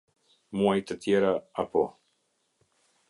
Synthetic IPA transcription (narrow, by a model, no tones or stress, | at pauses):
muajt̪ət̪ʰjeɾaapo̰